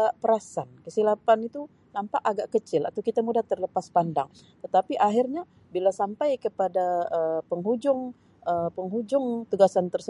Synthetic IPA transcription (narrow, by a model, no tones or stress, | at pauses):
apəɾasankəsilapanit̪u | nampaʔaɡaʔkət͡ʃɪla̰t̪awkit̪amudaht̪ərləpaspanda̰ŋ | t̪ət̪apiʔaɦirɲa | bilasampajkəpadaəpəŋɦud͡ʒʊŋ | əpəŋɦud͡ʒʊŋt̪uɡasant̪ərsə